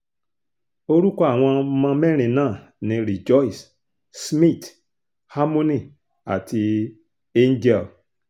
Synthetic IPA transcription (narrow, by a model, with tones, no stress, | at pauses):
o˦ɾu˦kɔ˦a˦˨w̃ɔ̃˧mã˧mɛ˦ɾ̃ĩ˨nãː˦˨ | nĩ˧˦ɾi˨d͡ʒɔ˦i˨s | smĩ˦˨t | ha˦mõ˦nĩ˦˨ | a̰˨ti˧ | e˦n˦d͡ʒɛ˦˨l